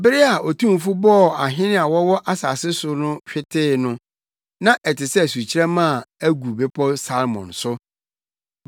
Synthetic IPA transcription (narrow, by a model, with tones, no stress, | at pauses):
bɪ˦ɾɪ˦a˨ɔ˨tʰũ˦m˨fu˦bɔ˦˨a˨ɦɪ̃˦nɪ̃˦a˨wɔ˦wɔ˦ʔa˦sa˨sɪ˦sʊ˦nʊ̃˦ɕᶣɪ˦tʰɪː˦˨nʊ̃˦ | nã˦ʔɛ˨tɪ˨sɛ˦æ˨su˨t͡ɕʰi˦ɾɛ˦mã˦˨æ˦ɡu˨be˦pʰɔ˦sa˦lmɔ̰̃˨nsʊ˦